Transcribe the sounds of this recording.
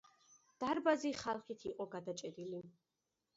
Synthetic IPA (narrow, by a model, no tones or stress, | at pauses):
d̪̥aɾbaziχalˠχit̪ʰiqʼɔɡad̪at͡ʃʼɛɾili